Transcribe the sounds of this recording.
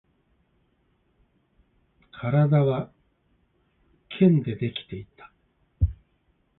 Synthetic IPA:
kʰaɾad̪aβa | kʰẽ̞nd̪e̞d̪e̞kʲi̥t̪e̞it̪ḁ

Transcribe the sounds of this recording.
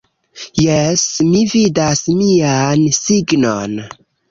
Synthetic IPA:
jesmividasmiansiɡnon

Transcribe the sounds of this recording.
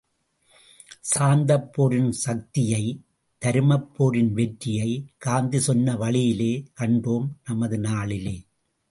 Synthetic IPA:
saːnd̪ɐpːoːɾɪnsɐk̚t̪ɪjɐɪ | t̪ɐɾɯmɐpːoːɾɪnʋɛʈːɪjɐɪkaːnd̪ɯsɔnːɐʋɐɭɪjɪleːkɐɳɖoːmnɐmɐðɯnaːɭɪleː

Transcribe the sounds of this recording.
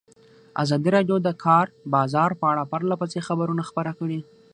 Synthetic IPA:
a̰zɑd̪iɾɑɖjod̪əkʰɑɾbɑzɑɾpəaɽapaɾlapəsexabaɾunaxpəɾakəɽi

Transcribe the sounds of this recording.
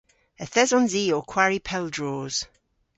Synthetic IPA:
əθɛzɔ̃nziːɔkʰw̥aɹipʰɛlˠdɹoːz̥

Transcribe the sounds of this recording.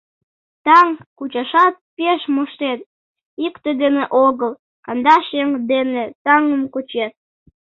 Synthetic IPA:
t̪ɑŋkut͡ɕɑʃɑt̪̚peʃmoʃt̪et̪̚ | ikt̪ed̪eneʔoɣəl | kɑnd̪ɑʃeŋd̪enet̪ɑŋəmkut͡ɕet̪̚

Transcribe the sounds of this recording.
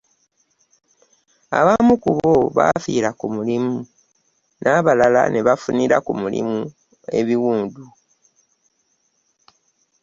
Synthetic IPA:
a̰βamukuβoβa̰fiːɾakumulimu | nʔaːβalala̰neβafuniɾakumulḭmu | e̞βiwuːndu

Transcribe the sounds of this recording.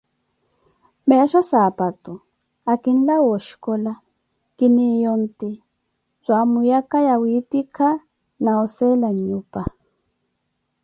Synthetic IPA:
mɛʃɔsapat̪u | akin̩lawɔʃkɔla | kinijɔnt̪i | zʷamujakajawipikʰa | naɔsɛlaɲupa

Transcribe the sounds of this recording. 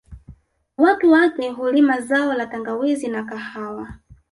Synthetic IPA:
watuwakɛɦulimazaɔlataŋɡawizinakahawa

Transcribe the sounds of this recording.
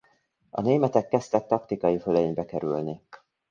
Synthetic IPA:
ɒ̰neːmɛt̪ɛkːɛst̪ɛk̚t̪ɒkt̪ikɒjifølɛɲbɛkɛɾylni

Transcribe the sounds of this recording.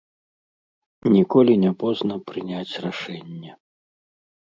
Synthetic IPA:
nʲikɔlʲinʲɛpɔznɐpɾɨnʲat͡sʲraʂɛnʲːɛ

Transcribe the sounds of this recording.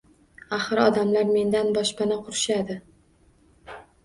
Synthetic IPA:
aχɨɾɒd̪amlaɾme̞nd̪anbɒʃpanɪqʰʊɾɪʃad̪ɪ

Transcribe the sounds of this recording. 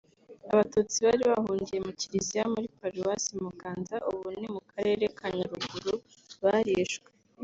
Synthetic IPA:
aβatuːt͡siβaɾiβahuːɲɟije̞muciɾizijamuɾipaɾuwasimukaːnzaʔuβunimukaɾe̞ɾe̞kʰaɲaɾuɡuɾu | βaɾiːʃɡwe

